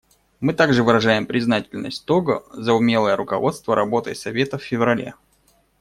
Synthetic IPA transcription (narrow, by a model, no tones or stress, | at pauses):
mɨt̪aɡʐɨvɨɾɐʐajɪmpɾʲɪznatʲɪlʲnə̰sʲt̚ʲt̪oɡə̰zəʊmʲe̞lˠəjəɾʊkɐ̰vo̞t̪st̪vəɾɐbo̞t̪ə̰jsɐvʲe̞t̪əfʲfʲɪvɾɐlʲe̞̰